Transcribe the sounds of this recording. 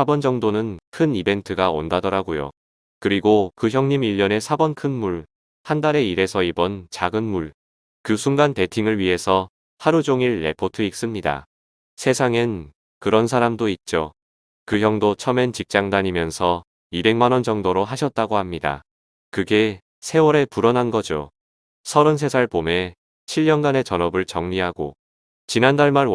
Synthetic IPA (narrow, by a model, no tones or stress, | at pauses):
sabʌnd͡ʑʌŋdonɯnkʰɯnibe̞ntʰɯɡao̰ndadʌɾaɡojo̰ | kɯɾiɡokɯçjʌŋɲimiʎːʌne̞sʰabʌnkʰɯnmuɭ | handaɾe̞iɾe̞sʰʌibʌnt͡ɕaɡɯnmuɭ | kɯsʰuŋɡante̞tʰiŋɯɭɥiɦe̞sʰʌ | haɾud͡ʑoŋiɭːe̞̰pʰotʰɯik̚s͈ɯmɲida̰ | sʰe̞sʰaŋɯn | kɯɾʌns̬ʰaɾamdoit̚t͡ɕ͈o | kɯçjʌŋdot͡ɕʰʌment͡ɕik̚t͡ɕ͈aŋdaɲimjʌnsʰʌ | ibe̞ŋmanʌnd͡ʑʌŋdoɾoɦaɕʰʌt̚t͈aɡohamɲida̰ | kɯɡe̞ | sʰe̞wʌɾe̞puɾʌnɦanɡʌd͡ʑo | sʰʌɾɯns̬ʰe̞sʰaɭpome̞ | t͡ɕʰiʎːʌnɡane̞t͡ɕʌnʌbɯɭt͡ɕʌŋɲiɦaɡo | t͡ɕinandaɭmaɭ